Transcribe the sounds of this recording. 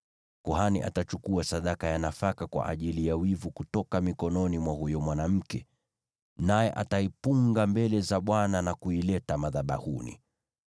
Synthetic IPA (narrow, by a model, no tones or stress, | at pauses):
kɔɦaniʔa̰tat͡ʃukuasaɗakajanafakakwa̰ʔa̰ʄilijawivukutɔkamikɔnɔnimwahujɔmwanam̩kɛ | najɛʔataipuŋɡambɛlɛzaɓwananakuilɛtamaðaɓa̰hunḭ